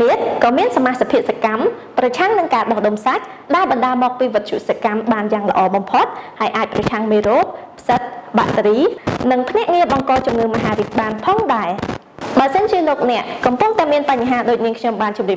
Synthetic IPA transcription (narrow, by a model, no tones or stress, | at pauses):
iət̪̚kɑːmiənsamaːhsapʰiəʔsakamprɑt͡ɕʰaŋnɨŋkaːɗɑhɗomsac̚ | ɗaɛɓɑnɗaːmɔːk̚piːʋɨt̪̚ʰt͡ɕʰuʔsakamɓaːnjaːŋlə̆ʔɑːɓɑmpʰot̪̚haəjʔaːc̚prɑt͡ɕʰaŋmeːɾoːp̚pʰsət̪̚ɓa̰ʔt̪riːnɨŋpʰnɛ̆əʔŋiəɓɑŋkɑːt͡ɕumŋɨːməɦaːɾihɓaːnpʰɑːŋɗaɛ | ɓaəsənt͡ɕiəloːk̚nɛ̆əʔkɑmpʊŋt̪aɛmiənpaɲɦaːɗoːc̚niəŋkʰɲomɓaːnt͡ɕumliəp̚